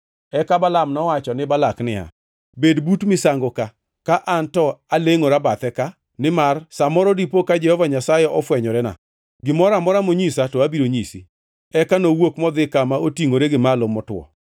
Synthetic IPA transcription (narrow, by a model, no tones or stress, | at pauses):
ɛkabalamnɔwat͡ʃɔnɪbalaknɪa̰ | bedbutmɪsaŋɡoka | kaʔantɔaleŋoɾabat̪ɛka | nɪmarsamɔɾɔdipokad͡ʒɛhɔvaɲasajɛʔɔfwɛɲɔɾɛna̰ | ɡɪmɔɾamɔɾamoɲisatɔabiɾoɲisi | ɛkanowokmɔd̪ɪkamaotiŋoɾeɡɪmalomɔtwɔ̰